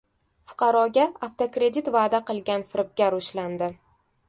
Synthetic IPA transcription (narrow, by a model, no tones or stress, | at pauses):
fʊ̥qʰɑɾɒɡʲaaft̪ʰokɾe̞d̪it̪vaːd̪aqɨlˠɡʲanfɪɾɪp̚ɡʲaɾʊʃland̪ɪ